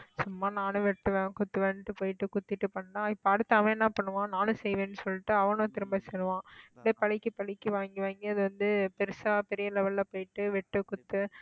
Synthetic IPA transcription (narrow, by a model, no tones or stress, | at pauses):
sʊmːaːnaːnɯ̃ʋɛʈːɯʋẽːkʊt̪ːɯʋeːnɪʈːɯpoːjɪʈːɯkʊt̪ːɪʈːɯpɐɳːɖãːɪpːɐɐɽɯt̪ːaːʋẽːnːãːpɐɳːɯʋãːnãːnɯ̃sɛjʋẽːnːɯsɔlːɪʈːɯɐʋɐnõːt̪ɪɾɯmbɐsɛɾɯʋãːɪlːeːpɐɭɪkːɯpɐɭɪkːɯʋaːŋɡiʋaːŋɡiɐðɯʋɐnd̪ɯpɛɾɯsaːpɛɾɪjɐlɛʋɐlːɐpoːjɪʈːɯʋɛʈːɯkʊt̪ːɯ